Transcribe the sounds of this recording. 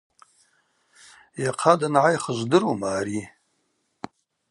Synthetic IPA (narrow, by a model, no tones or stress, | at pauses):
jaqʰadanʕajχəʒʷdɨɾomaːɾi